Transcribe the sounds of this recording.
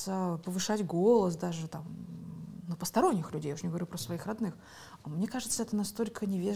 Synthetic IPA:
əpəvɨʂatʲɡo̞lˠəs̬d̪aʐɨt̪am | nupəst̪ɐɾo̞nʲːɪxlʲʉdʲejauʂnʲɪɡəvɐɾʲupɾəsvɐixrɐd̪nɨx | mnʲe̞kaʐɨt̪səɛt̪ənɐst̪o̞lʲkʰənʲɪvʲe

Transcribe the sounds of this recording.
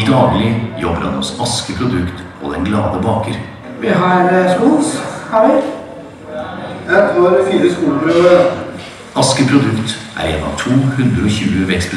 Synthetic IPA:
d̪ɑːɡlɪjɔbəɾhɑ̰nhɔsɑskəpʰɾʊd̪ʉkt̪ | ɔ̰d̪ɛnɡlɑːd̪əbɑːkəɾ | ʋɪɦɑɾəsuːnshɑʋɪ | jæɑːɾfiːɾəskuːləpɾøːʋə | ɑskəpʰɾʊd̪ʉkt̪ʔæ̰ɾɛːnːɑ̰ʋt̪ʰuːhʉnd̪ɾəɔçʉːəʋɛkspə

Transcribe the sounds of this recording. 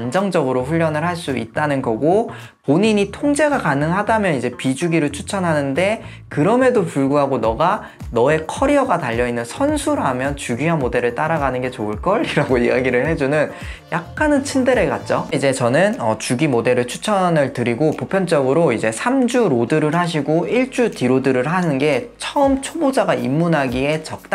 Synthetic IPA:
and͡ʑʌŋd͡ʑʌɡɯɾoɸuʎːʌnɯɭɦhaɭs͈uḭt̚t͈anɯnɡʌɡo | poɲiɲitʰoŋd͡ʑe̞ɡakanɯŋɦadamjʌnid͡ʑe̞pid͡ʑuɡiɾɯɭt͡ɕʰu̥t͡ɕʰʌnɦanɯnde̞ | kɯɾʌme̞dopuɭɡuɦaɡonʌɡa | nʌe̞kʰʌɾiʌɡataʎːʌinːɯnsʰʌnsʰuɾamjʌnt͡ɕuɡiɦanmode̞ɾɯɭt͈aɾaɡanɯnɡe̞t͡ɕoɯɭk͈ʌɭiɾaɡoiaɡiɾɯɭhe̞d͡ʑunɯn | jak̚k͈anɯnt͡ɕʰindeɾeka̰t̚t͡ɕ͈oid͡ʑe̞t͡ɕʌnɯnʌt͡ɕuɡimode̞ɾɯɭt͡ɕʰu̥t͡ɕʰʌnɯɭtɯɾiɡopopʰjʌnt͡ɕ͈ʌɡɯɾoid͡ʑe̞sʰamd͡ʑuɾodɯɾɯɭɦaɕ̬ʰiɡoiɭt͡ɕ͈utiɾodɯɾɯɭɦanɯnɡe̞t͡ɕʰʌɯmt͡ɕʰobod͡ʑaɡaimːunɦaɡie̞t͡ɕʌk̚t͈a

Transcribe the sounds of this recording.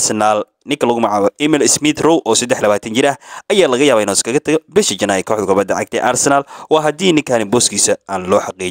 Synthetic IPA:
sɐnaːl | nɪŋkʰɐlɐɣʊmɑʕaːβɐʔɪmɛlɪsmɪt̪rɔwʔɔːsɐd̪ɛħlɐβaːt̪ʰɐnt͡ʃɪɾɐhɐjaːlɐɣɐjaːβɐɪnɔːskʰɐɣɐt̪ʰɐɣɔbɛʃɐt͡ʃɐnaːjkʰɔːħðɐkʰʊbɐd̪ɐʕɑ̰ɡ̚t̪ʰɛ̰ːʔarsɛnalwɑːɦɐd̪iːnɪŋkʰaːnɪbɔːskʰiːsɐaːnlɔːħɑqiːt͡ʃ

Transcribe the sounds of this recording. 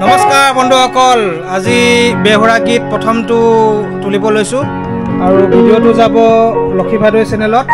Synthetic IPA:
nɔmɔskaɹbɔnduxɔkɔl | azibɛɦoɹaɡit̚pɹɔtʰɔmtʊtulibɔlojsʊ̃ | aɹubʱidiotʊzabɔlokʰipʰadojsɛnɛlɔt̚

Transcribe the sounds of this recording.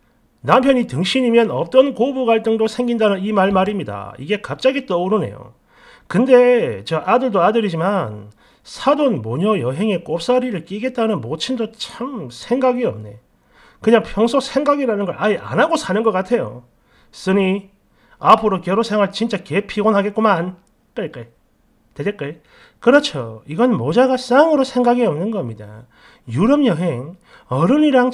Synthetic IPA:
nampʰjʌɲitɯŋɕʰiɲimjʌnʌp̚t͈ʌnkobuɡwaɭt͈ɯŋdosʰe̞ŋɡindanɯnimaɭmaɾimɲida̰ḭɡe̞kap̚t͡ɕ͈aɡit͈ʌuɾɯne̞̰jo̰ | kɯnde̞t͡ɕʌʔadɯɭdoadɯɾid͡ʑiman | sʰadonmoɲʌjʌɦe̞ŋe̞k͈op̚s͈aɾiɾɯɭk͈iɡe̞t̚t͈anɯnmot͡ɕʰindot͡ɕʰamsʰe̞ŋɡaɡiʌ̰mne̞̰ | kɯɲaŋpʰjʌŋsʰosʰeŋɡaɡiɾanɯnɡʌɾʔaeʔa̰naɡosʰanɯnɡʌk͈atʰe̞jo̰ | s͈ɯni | apʰɯɾokjʌɾosʰeŋaɭt͡ɕint͡ɕ͈akepʰiɡonɦaɡet̚k͈oman | k͈ɯɭk͈aɭ | ted͡ʑek͈ɯɭ | kɯɾʌt͡ɕʰo̰iɡʌnmod͡ʑaɡas͈aŋɯɾosʰe̞ŋɡaɡiʌmnɯnɡʌmɲida̰ | juɾʌmjʌɦeŋ | ʌɾɯniɾaŋ

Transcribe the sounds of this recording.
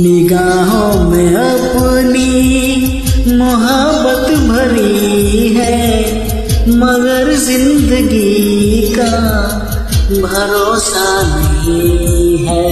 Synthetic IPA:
nɪɡaːɦõmẽɐ | pni | mʊɦə | bːət̪bʱɐɾiɦɛ | mɐɡəɾzɪ̃nd̪əɡika | bʱɐɾoːsanɐɦĩɦɛː

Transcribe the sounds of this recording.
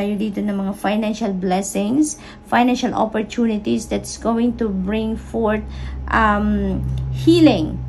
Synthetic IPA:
jod̪iːt̪onɐŋmɐŋafajnanʃalblɛsɪ̃ŋs | fajnãnʃalʔo̰pɔɹt̪unɪt̪isd̪ɐt̪sɡowɪ̃ŋt̪ubɹɪ̃ŋfɔɹt̪̚ʔamhiːlɪ̃ŋ

